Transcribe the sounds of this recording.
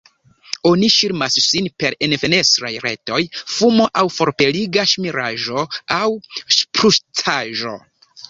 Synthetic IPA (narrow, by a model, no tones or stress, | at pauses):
o̞niʃiɾmassinpe̞ɾenfe̞ne̞stɾajɾe̞̰to̞jfumo̞ʔawfo̞ɾpe̞liɡaʃmiɾaʒo̞awspɾuʃtʰaʒo̞̰